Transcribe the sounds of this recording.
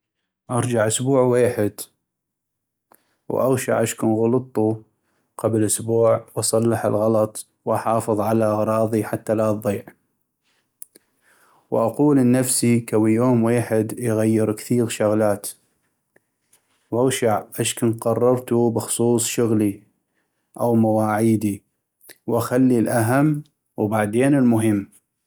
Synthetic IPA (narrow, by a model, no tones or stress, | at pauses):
ʔɑɾˤd͡ʒaʕʔʊsbuːʕweːħɪd̪ | wʔa̰ɣʃa̰ʕʔaʃkʊnɣʊlɨt̪ˤːu | qablʔʊsbuːʕwʔɑsˤɑlːɪħɪ̰lɣɑlɑt̪ˤ | wʔɑħɑːfɨðˤʕalaʔɑɣɾˤɑːðˤiħat̪ːalaʔðˤiːʕ | wʔɑquːlənːafsikawijoːmweːħɪd̪jɣajːɪɾkθiːɣʃʊɣlaːt̪ | wʔɑɣʃaʕʔaʃkənqɑrˤːɑɾˤt̪ubɪxʊ̥sˤuːsˤʃʊɣli | ʔawmawaːʕiːd̪i | wʔaxalːilʔaɦamː | wbaʕd̪eːnɪlmʊɦɪmː